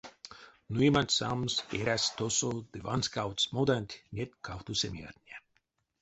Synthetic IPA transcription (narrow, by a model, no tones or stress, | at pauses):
nuimanʲt̪ʲsamseɾʲæst̪osod̪ɨva̰nskawt̪smod̪anʲt̪ʲnʲet̪kʰawt̪usʲemʲia̰t̪ʲnʲiɛ